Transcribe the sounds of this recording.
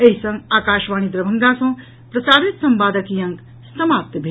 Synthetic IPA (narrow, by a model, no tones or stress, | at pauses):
eɦisɐ̃ŋɡaːkaːʃʋaːñid̪ɾɐbʱə̃ŋɡasɐ̃ | pɾɐsaːɾet̪sɐmpaːd̪əkijɐ̃ŋk | sɐmaːp̚t̪bʱe